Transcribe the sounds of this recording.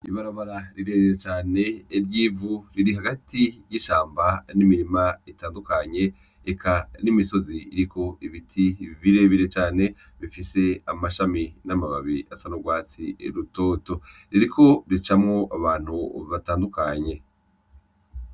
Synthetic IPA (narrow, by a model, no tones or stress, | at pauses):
iβaɾaβaɾaɾiɾe̞ːβiɾet͡ʃaːne̞ɾɟiːvuɾiɾiɦaɡatijiʃaːmbanimiɾimaitaːndukaɲe̞ː | kʰanimiso̞ziiɾikʰo̞ʔiβitʰiβiɾe̞βiɾe̞t͡ʃaːne̞ | βifise̞amaʃaminamaβaβiasanoɡwaːt͡sḭɾuto̞ːto̞ɾiɾikʰo̞ɾit͡ʃamŋo̞ʔaβaːn̥huβataːndukaɲe̞